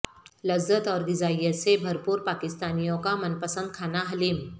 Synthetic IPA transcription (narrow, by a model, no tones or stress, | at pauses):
lɐzət̪ɔːɾd̪ɪzaːjəsebʱɐɾpuːɾpaːkɪst̪aːnijõkamənpəsə̃nd̪̚kʰaːnaɦɐliːm